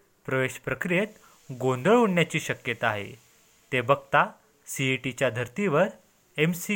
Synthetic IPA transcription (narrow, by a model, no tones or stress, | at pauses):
pɾəʋeɕpɾəkɾijet̪ | ɡõnd̪əɭuɳːjat͡ɕiːɕəkjət̪aːɦḛ | t̪ebəɡ̚t̪a | siʈit͡ɕjad̪ʱəɾt̪iʋəɾ | emsi